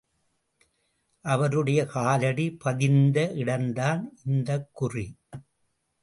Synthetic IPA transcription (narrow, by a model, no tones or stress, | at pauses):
ʔɐʋɐɾɯɽɐjɐkaːlɐɽipɐðɪnd̪ɐʔɪɽɐnd̪aːnʔɪnd̪ɐkːʊri